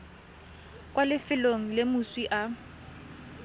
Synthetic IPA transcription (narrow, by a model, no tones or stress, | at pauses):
kʼwalɪfɪloŋ̩lɪmʊswiʔa